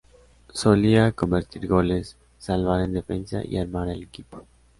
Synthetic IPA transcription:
so̞liako̞mbe̞ɾt̪iɾɣo̞lesː | alβaɾend̪e̞fe̞nsa̰ʔḭaɾmaɾelekipo̥

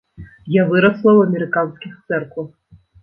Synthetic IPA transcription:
javɨɾɐslˠɐwɐmʲɛɾɨkansʲkʲixt̪sɛrkvɐx

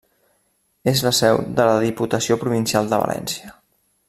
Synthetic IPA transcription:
ezləsɛwðələðiput̪əsiopɾuβinsjalˠd̪əβə̰lʔɛ̰nsiə

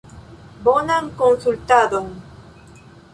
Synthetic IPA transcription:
bonaŋkonsult̪ad̪oŋ

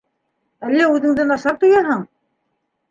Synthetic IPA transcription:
ælːæʉðɘ̆ŋd̪ɘnɑʃɑɾt̪ŏjɑɦɤɴ

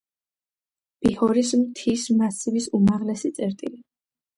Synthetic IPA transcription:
b̥ihɔɾismt̪ʰismasivisumaʁlɛsit̪sʼɛɾt̪ʼili

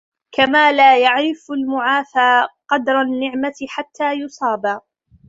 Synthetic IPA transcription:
kamaːlaːjaʕɾɪfalmʊʕaːfaːqɑd̪ɾˤanːɪʕmat̪ɪħat̪ʰːaːjʊsˤɑːbaː

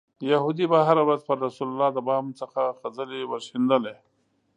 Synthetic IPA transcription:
jahud̪ibaɦaɾawɾazpəɾːasulalɑd̪əbɑmt͡səxaxazəlewaʃind̪əle

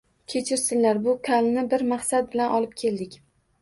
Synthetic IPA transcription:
kʲʰe̞t͡ʃʰɪɾsɪnlaɾbʊkʲʰalnɪbɪɾmaχsat̪̚bɪlanʔɒlɪp̚kʲʰe̞ld̪ɪkʲ

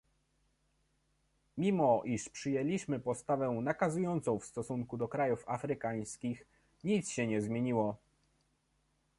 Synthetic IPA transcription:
mʲimɔʔiʂpʂɘjɛlʲiɕmɘpɔst̪avɛnakazujɔnt̪sɔ̃w̃fst̪ɔsuŋkud̪ɔkɾajufafɾɘkaj̃skʲix | ɲit̪sɕɛɲɛzmʲjeɲiwɔ

